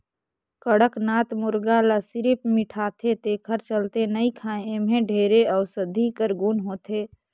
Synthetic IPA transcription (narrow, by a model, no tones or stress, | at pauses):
kəɽəknaːt̪mʊɾɡaləsɪɾɪp̚mɪʈʰaːt̪ʰet̪eːkʰəɾt͡ʃəlt̪enəikʰãːẽemẽɖʱeːɾeɔːɾsəd̪ʱikəɾɡunɦoːt̪ʰeː